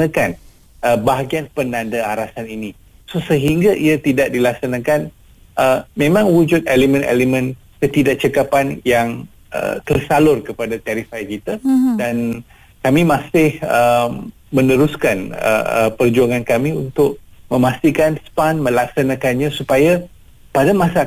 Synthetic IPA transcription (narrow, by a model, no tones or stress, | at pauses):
nakan | əbaɦaɡianpənandaaɾasanini | sosəɦiŋɡaʔiat̪idaʔ̚dilak̚sanakan | ʔəmẽmãŋwud͡ʒʊt̪̚elemə̃nḛlemə̃n | kət̪idaʔ̚t͡ʃəkapanjaŋ | ə̰t̪ərsalʊrkəpadat̪ɛɾifajkit̪adan | kamimãsɪhəm | mə̃nəɾuskanə̰ə̰pərd͡ʒuaŋankamiunt̪ʊk̚ | mə̃mast̪ikanspanmə̃lak̚sanãkanɲãsupaja | padamãsa